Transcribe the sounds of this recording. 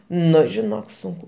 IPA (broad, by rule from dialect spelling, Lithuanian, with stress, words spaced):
ˈnʊ ʒʲɪˈnoːk ˈsʊŋkʊ